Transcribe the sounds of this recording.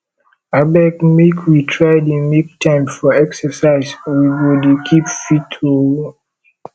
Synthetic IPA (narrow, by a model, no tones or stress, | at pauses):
abɛkmekʰwitʰɹaɪdəmek̚tʰãɪ̃mfɔɛksəsaɪzwiwudkʰipfitʰu